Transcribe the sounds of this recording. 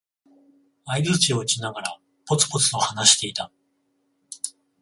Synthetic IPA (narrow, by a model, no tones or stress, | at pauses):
aid͡zzɨt͡ɕio̞t͡ɕinaɡaɾa | po̞t͡sɨ̥po̞t͡sɨo̞hanaɕi̥t̪e̞it̪a